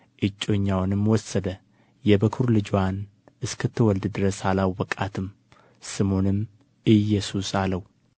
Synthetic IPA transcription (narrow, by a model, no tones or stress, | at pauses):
ʔɨt͡ʃʼːo̞ɲːawnɨmwɔsːəd̪ə | jɛbəkʰɨɾlɨd͡ʒwan | ʔɨskʰɨt̪ʰːɨwɔld̪ɨd̪ɨɾəsalawwɔkʼat̪ʰɨm | sɨmonɨm | ɨjɛsusaləw